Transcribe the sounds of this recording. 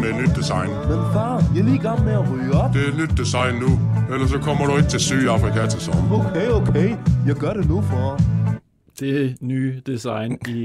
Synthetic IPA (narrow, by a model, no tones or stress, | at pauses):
med̥nyd̥̚ːisɑ̈ɪnmenfɑ̈ːjiɐliːɡ̥ɑmn̩meɐʁyːəɒ̽b̥d̥e̝æed̥nyd̥̚ːisɑ̈ɪnːuelɐs̬ɒ̽kʰɒ̽m̰ɐɾ̥ue̝ɡ̥̚t͡sʰe̝lsyðˠɑ̈fʁikʰæt͡sʰsɒmoʊkʰeɪoʊkʰeɪjɑ̈ɪɡ̥ɶɐɾ̥e̝nufɒ | d̥e̝nyːd̥isɑ̈ɪni